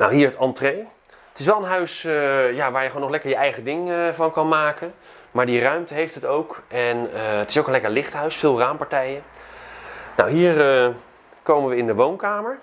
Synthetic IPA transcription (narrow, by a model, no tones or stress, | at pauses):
nawɦiːɹətɑntrej | ətɪsʋɛlˠənɦœɥsjaʋaːɹjəχonːɔχlɛkəɹjəʔɛjχədɪŋvɑnkɑnmaːkən | maːɹdirœɥmtəɦejftɦətowkɛnəətɪsowkənlɛkəɹlɪχtɦœɥsfɪːlˠraːmpaɹtɛjə | na̰wɦiːɹə | kowmənʋəɪndəʋownkaːməɹ